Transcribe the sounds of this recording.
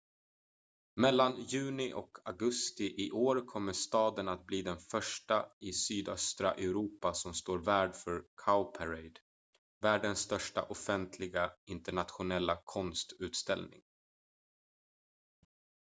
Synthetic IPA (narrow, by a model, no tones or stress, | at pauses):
mɛlːanjʉ̟ːnɪʔɔ̰kʰaɡɵst̪ɪʔɪʔoːɾkʰɔmːəʂt̪ɑːd̪ənat̪̚bliːd̪ɛnfœʂʈaɪsyːd̪œst̪ɾa̰ʔɛɾuːpasɔmst̪oːɾvæːɖfœɾkʰaʊpʰæɾɛɪd̪ | væːɖənsːt̪œʂʈa̰ʔɔfɛnt̪ʰlɪɡaɪnt̪əɳat̪ɧʊnɛlːakʰɔnst̪ʉ̟ːt̪st̪ɛ̰lnɪ̰ŋ